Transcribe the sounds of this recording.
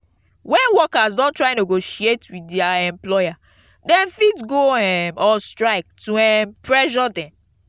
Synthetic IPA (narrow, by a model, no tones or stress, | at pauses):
wɛ̃nwɔkazdɔ̃ntɹaj̃noɡoʃietwitdiaɛ̃mplɔja | dɛ̃nfitɡoɛmɔstɹaɪk̚tuɛmpɹɛʃɔdɛ̃n